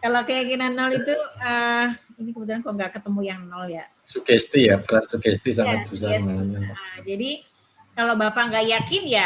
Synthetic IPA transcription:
kalokəjakinanːɔlit̪uəinikəbət̪ulankoŋɡaʔkət̪əmujaŋnɔlja | sukɛst̪ijapərasukɛst̪is̬aŋat̪̚bus̬aŋanaad͡ʒadi | kalobapaŋɡaʔjakɪnja

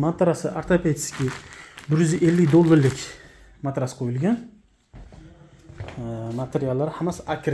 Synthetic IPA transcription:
mat̪ʰɾasɪʔaɾt̪ʰapʰet̪skʲɪbɪɾjʏzɪʔelːɪkʲd̪olˠːaɾlɪkʲ | mat̪ɾasɨ̥qʰojɪlˠɡʲan | mat̪ʰeɾijalˠːaɾɪhamasakʰʲɾ

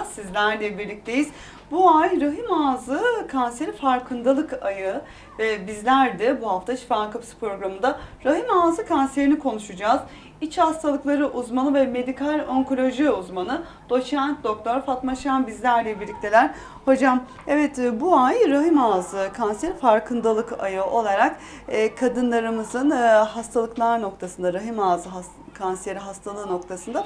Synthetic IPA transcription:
sizlʲæɾlʲɛbiɾlʲic̚t̪ʰe̞jiz̥ | buajɾaɦimaːzɯkʰanse̞ɾifaɾkʰɯnd̪alˠɯkajɯ | vɛbizlʲæɾd̪ɛbuɦaft̪ʰat͡ʃʰi̥fakapsɯ̥pɾo̞ɡɾamɯnd̪aɾaɦimaːzɯkʰanse̞ɾinikʰo̞nuʃud͡ʒaːz̥ | it͡ʃhast̪ʰalˠɯklˠaɾɯʔuzmanˠɯvɛme̞d̪ikʰalʲøŋko̞lʲo̞ʒiuzmanɯ | d̪̥o̞t͡ʃænt̪̚d̪o̞k̚t̪ʰo̞ɾfat̪maʃanbizlʲæɾlʲɛbiɾlʲic̚t̪ʰʲe̞lʲæɾ̥ | ho̞d͡ʒam | ɛvɛt̪buajɾaɦimaːzɯkʰanseɾifaɾkʰɯnd̪alˠɯka̰jɯʔo̞lˠaɾakː | kʰːad̪ɯnlˠaɾɯmɯzɯnɦast̪ʰalˠɯklˠaɾno̞k̚t̪ʰasɯnd̪aɾaɦimaːzɯɦa | kʰanse̞ɾiɦast̪ʰalˠɯːno̞k̚t̪ʰasɯnd̪a

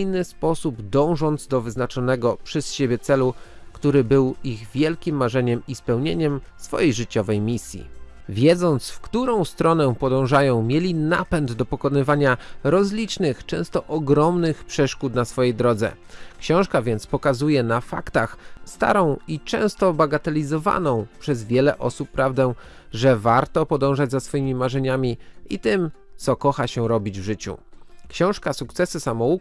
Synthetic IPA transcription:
jnɘspɔsubd̪ɔ̃w̃ʐɔnd̪zd̪ɔvɘznat͡ʂɔnɛɡɔpʂɛsɕebʲjɛt̪sɛlu | kt̪uɾɘbɘwiɣvʲjɛlkʲimːaʐɛɲɛmispɛwɲeɲɛm | sfɔ̰jejʐɘt͡ɕɔvɛjmʲisʲjḭ | vʲjɛd̪zɔnt̪sfkt̪uɾɔ̃w̃st̪ɾɔnɛ̃pɔd̪ɔ̃w̃ʐajɔ̃w̃mʲjelʲina̰pɛnd̪d̪ɔpɔkɔnɘvaɲaɾɔzlʲit͡ʂnɘxt͡ʂɛ̰̃w̃st̪ɔʔɔɡɾɔmnɘxpʂɛʂkut̪nasfɔjejd̪ɾɔd̪zɛ̰ | kɕɔ̃w̃ʂkavʲjɛnt̪spɔkazujɛnafa̰kt̪axst̪a̰ɾɔ̃w̃it͡ʂɛ̰̃w̃st̪ɔbaɡat̪ɛlʲizɔva̰nɔ̃w̃pʂɛzvʲjɛlɛʔɔsupːɾavd̪ɛ | ʐɛvaɾt̪ɔpɔd̪ɔ̃w̃ʐad͡ʑzasfɔjimʲimaʐɛɲamʲiḭt̪ɘmt̪sɔkɔxaɕɛɾɔbʲid͡ʑvʐɘt͡ɕṵkɕɔ̃w̃ʂkasukt̪sɛsɘsamɔu

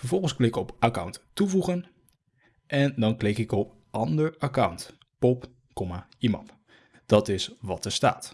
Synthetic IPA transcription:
fəɹvɔlˠχənskʋɪɪkɔpaka̰wnttuvuχən | ʔɛndɑnklɪkɪkɔp | ʔɑndəɹakawnt | pɔp | kɔmaimɑ̰nt | d̥ɑtɪsʋɑtəɹsta̰ːt

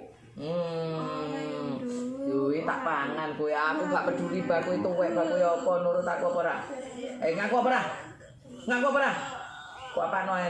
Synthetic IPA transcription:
m̩ | juwit̪a̰ʔpaŋankuiakuŋɡaʔpəd̪̥ṳɾibakuit̪uwɛʔb̥akujɔpɔnuɾʊt̪akuapəɾaeŋakuapəɾah | ŋakwaʔpəɾah | kuapanoɛ

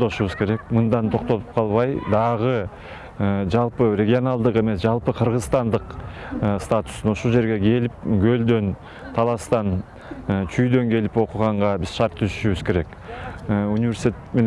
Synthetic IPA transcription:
d̪oʃuβəzkʲʰe̞ɾe̞k̚mənd̪ɑnt̪ʰo̞qt̪olˠəp̚qʰɑlˠβɑjd̪ɑʁə | əʒɑlˠpəɾʲeɡʲijo̞nalˠd̪əqe̞me̞sʒɑlˠpəqʰəɾʁəzst̪ɑnd̪əqəst̪at̪ʊ̥snoʃolˠʒd͡ʒe̞ɾɡʲe̞kʲʰe̞lɪp̚ɡʲʰøld̪ø̞n | t̪ʰɑlˠɑst̪ɑn | t͡ʃʰyjd̪ø̞ŋkʲʰe̞lɪpo̞quʁɑɴʁɑbɪz̥ʃɑɾt̪ʰːʏsyʃyβɪzkʲʰe̞ɾe̞kː | unʲivʲe̞ɾsit̪ʲ | men

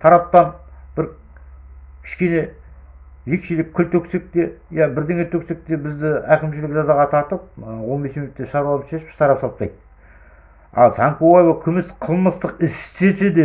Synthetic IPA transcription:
t̪ʰɑɾɑp̚t̪ɑnb̥ɪɾ | kʲʰɪ̥ʃkʲe̞ne̞ | ʒekʃelɪkʲʰːʏlt̪ʰɵkse̞k̚t̪e̞jæbɪɾd̪eŋe̞t̪ʰɵkse̞k̚t̪e̞bɪzd̪ɪækʲɪmʃɪlɪkʒɑzɑʁɑt̪ʰɑɾt̪əp̚wolˠbesemet̪ːeʃɑɾwlˠʃe̞ʃɪ̥psɑɾɑpsɑlˠpt̪ɑjt̪ | ɑ̰lˠsʰɑŋkoajevɑkʲʰʏmɪsqʰəlˠməst̪əqɪsset̪ed̪e

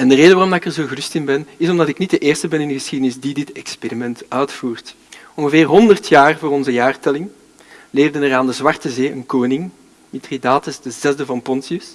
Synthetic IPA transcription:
ɛndəreːdəʋarɔmdaːɪkɛrzoːɣərʏstɪnbɛnɪsɔmdɑtɪknit̚dəʔeːrstəbɛnɪndəɣəsxidənɪzdidɪtɛksperimɛntœɥtfuːrt | ɔŋɣəveːrɦɔndərtʰjaːrvoːɾɔnzəjaːrtɛlɪŋ | leːvdənɛraːndəzwɑrtəzeːənkoːnɪŋ | mitridaːtəsdəzɛzdəvɑnpɔnsiəs

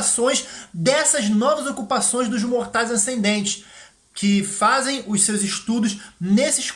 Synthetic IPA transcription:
sõj̃zd̪ɛsɐznɔvɐzokupasõj̃zd̪ʊzmoɾt̪ajzɐ̃sẽd̪ẽnt͡ʃɪ̥s | kʰɪfazẽj̃ʊʃsewzɪʃt̪ud̪ʊznesɪʃ

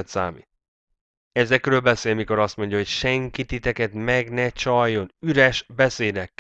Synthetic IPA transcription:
ɛt̪sa̰ːmḭt̪̚ | ɛzɛkrøːlbɛseːlmiko̞ɾɒst̪mo̞ɲɟɒɦo̞cʃɛŋkit̪it̪ɛkɛt̪mɛɡnɛt͡ʃɒjo̞nyɾɛʃbɛseːd̪ɛkː

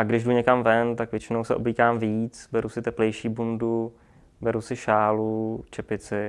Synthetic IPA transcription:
ʔaɡdɪʒduɲɛkamvɛnt̪akvjɛt͡ʃɪnowsɛʔobliːkaːmviːt͡sbɛɾusɪt̪ɛplɛjʃiːbundu | bɛɾusɪʃaːlut͡ʃɛpɪt͡sɪ

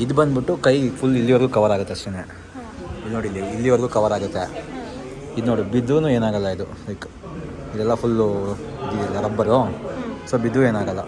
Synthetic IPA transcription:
id̪ubɐnd̪biʈːukɐjpʰulːilːiʋɐɾɡuːkɐʋɐɾaːɡut̪ːeɐsʈune | ilnoːɽilːiilːiʋɐɾɡuːkɐʋɐɾaːɡut̪ːe | id̪noːɽibid̪ʋunue̞ːnaːɡɐlːɐid̪u | ɐk | id̪ɛlːɐpʰul | id̪iiɐɾɐbːɐɾoːsoːbid̪ʋue̞ːnaːɡɐlːɐ

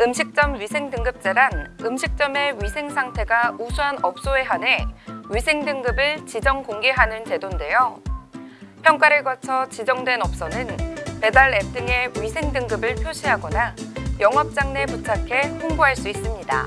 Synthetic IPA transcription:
ɯmɕʰik̚t͡ɕ͈ʌmɥisʰe̞ŋdɯŋɡɯp̚t͡ɕ͈eɾanɯmɕʰik̚t͡ɕ͈ʌme̞ɥisʰe̞ŋsʰaŋtʰe̞ɡausʰuɦanʌp̚s͈oe̞ɦane̞ɥisʰe̞ŋdɯŋɡɯbɯɭt͡ɕid͡ʑʌŋkoŋɡeɦanɯnte̞donde̞jo | pʰjʌŋk͈aɾɯɭɡat͡ɕʰʌt͡ɕid͡ʑʌŋdwe̞nʌp̚s͈ʌnɯnpe̞daɭe̞p̚t͈ɯŋe̞ɥisʰe̞ŋdɯŋɡɯbɯɭpʰjoɕʰiɦaɡʌnajʌŋʌp̚t͡ɕ͈aŋne̞put͡ɕʰakʰe̞pʰoŋboɦaɭs͈uis͈ɯmɲida̰

